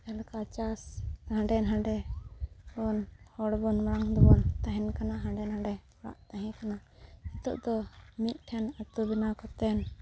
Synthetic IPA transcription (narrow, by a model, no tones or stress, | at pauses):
ɛlkat͡ʃasɦãɳɖɛnɦãɳɖɛ | bɔnhɔɽbɔnmaɽaŋd̪ɔbɔnt̪aɦɛnkanaɦãɖɛnɦãɳɖɛmɔɽa̰ʔt̪aɦɛ̃kanait̪ɔ̰ʔd̪ɔmit̪̚ˀʈʰɛnat̪ubinakɔt̪ɛn